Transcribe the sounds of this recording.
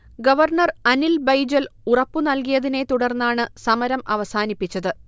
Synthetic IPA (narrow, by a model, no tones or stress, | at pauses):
ɡɐʋɐrɳɐrɐnilbɐjd͡ʑɐlurɐpːunɐlk̬ijɐðine̞t̪uɽɐrnːaːɳɨsɐmɐɾɐmɐ̰ʋɐsaːnipːit͡ɕːɐðɨ